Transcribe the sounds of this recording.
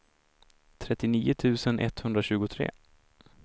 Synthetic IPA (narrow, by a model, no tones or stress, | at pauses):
t̪ʰɾɛt̪ːɪniːʊt̪ʰʉ̟ːsənʔɛ̰t̪hɵnd̪ɾaɕʉ̟ːɡʊt̪ʰɾḛː